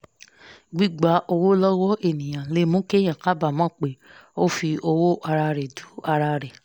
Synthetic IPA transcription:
ɡ͡bi˦˨ɡ͡ba˨˦ʔo˧wo˦lɔ˦wɔ˦ʔe˦˨nĩ˨j̃ã˨le˨˦mõ˦ke˦˨j̃ã˨ka˦ba˦˨mãː˦˨k͡pe˨˦o˦fi˧ʔo˧wo˦ʔa˧ɾa˧ɾɛ˨du˨˦a˧ɾa˧ɾɛ˨

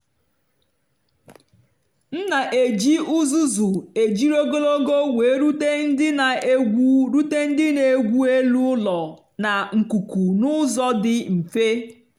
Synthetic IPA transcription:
n̩˦na˨ʔe˨d͡ʒi˦u˦zu˦zu˨e˨d͡ʒi˦ɾo˦ɡo˦lo˦ɡo˦we˨˦ɾu˦te˦n̩˦dɪ˦na˨e˦ɡʷu˦ɾu˦te˦n̩˦dɪ˦ne˨ɡʷu˦e˦lu˦lɔ˨ | na˨ŋ̩˨ku˨ku˨nʊ˦zɔ˦dɪ˦m̩˨fe˦

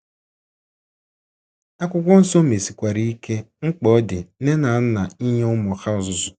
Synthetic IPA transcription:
a˦kʷʊ˦kʷɔ˦n̩˦so˦me˨si˨kʷa˨ɾi˦i˦ke˦ | ŋ͡m̩˦k͡pɔ˦dɪ˨ne˦na˨˦n̩˦na˨i˦ɲe˦ʊ˦mɔ˨xa˦ʊ˨zʊ˨zʊ˨

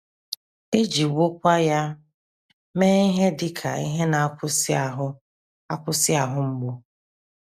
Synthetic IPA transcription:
e˦d͡ʒi˨wo˦kʷa˦ja˦ | meː˦i˦ɦe˦dɪ˨kʰa̰˨ḭ˦ɦe˦na˨˦kʷʊ˦sa˨ɦʊ˦ | a˦kʷʊ˦sɪ˦a˨ɦʊ˦ŋ͡m̩˦ɡ͡bo˦

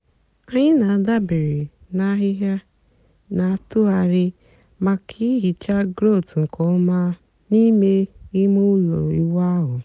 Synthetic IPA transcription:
a˦ɲɪ˦na˨a˨da˦be˨ɾi˨na˨˦ɦɪ˦ɦja˦ | na˨a˦tʊ˦a˧ɾɪ˦ | ma˦kʰi˦ɦi˨t͡ʃa˦ɡɾo˦˨tŋ̩˨kɔ˨˦ma˦ | ni˦me˦i˦mu˦lo̰˨ḭ˦wa˦ɦʊ˨

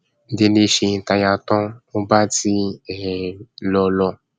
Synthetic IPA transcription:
n̩˨˦de˧le˧ʃe˧˨ta˧ja˧t̪ɔ̃˦mo˦ba˦ti˧˦ɛ˨lɔ˧lɔ˧˨

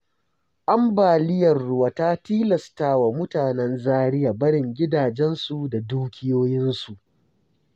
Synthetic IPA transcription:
ʔa˦mbaː˨lɪ˦jɐ˨rːʊ˦waː˨ta˦tiː˦lɐ˨staː˦wa˨mʊ˦taː˨nɛ˦nzaː˦ɽɪ˦ja˨bɐ˦ɽɪ˨ŋɡʲɪ˦daː˨d͡ʒɛ˦nsu˨da˨duː˦kʲʰɪ˦joː˦jɪ˦nsu˨ʔ

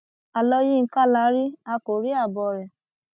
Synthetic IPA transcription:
a˨lɔ˧ji˦n̩˧˦ka˦˨la˨˦ɾi˦a˧ko˨ɾi˦a˦˨bɔ˨ɾɛ˨

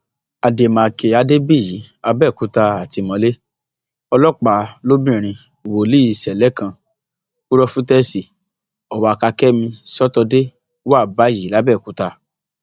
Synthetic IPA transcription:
a˨de˨mãː˨ke˧a˧de˦bi˦˨ji˨˦ | a˧bɛ˦˨ku˦ta˧a˨ti˨˧mɔ̃˧˦le˦ | ɔ˧lɔ˦˨k͡pa˨lo˦bĩ˦˨ɾ̃ĩ˧˨ | wo˨li˦i˧˨sɛ˨lɛ˨˦kã˧ | ku˦ɾɔ˧fũ˦tɛ˦si˨ | ɔ˨wa˨˧a˧ka˧kɛ˦mĩ˧sɔ˦tɔ˧de˦ | wa˦˨ba˨˦ji˨˦la˦bɛ˦˨ku˨˦ta˧

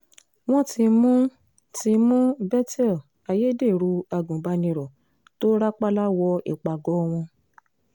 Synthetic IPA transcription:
w̃ɔ̃˦ti˧mũ˦ | ti˧mũ˦bɛ˦tɛ˦˨ | a˧je˦de˦˨ɾu˧˦a˧ɡũ˨ba˧nĩ˧ɾɔ˨ | to˦ɾa˦k͡pa˦la˦wɔ˧ḭ˨k͡pa˨ɡɔ˨˦w̃ɔ̃˧

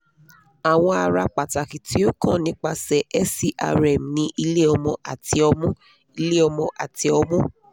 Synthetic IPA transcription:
a˨w̃ɔ̃˧a˧ɾa˧k͡pa˨ta˨ki˨ti˦o˦kã˦˨nĩ˨˦k͡pa˧sɛ˨ʔɛ˦si˦ʔa̰˧ɾɛ˨m̩˨nĩ˧˦ʔi˧le˦ɔ˧mɔ̃˧a̰˨ti˧˦ɔ˧mũ˦ | i˧˦le˦ɔ˧mɔ̃˧ʔa˨ti˨˦ɔ˧mũ˦

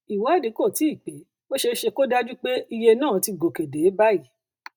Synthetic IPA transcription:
i˨wɔ˨˦ɛ˦˨di˨˦ko˦˨ti˨˦i˦˨k͡pe˨˦ | o˦ʃe˧ʃe˧ko˦da˦d͡ʒu˦k͡pe˦i˧je˧nã˦˨ti˧ɡo˨ke˨de˨˦ba˦i˨˦

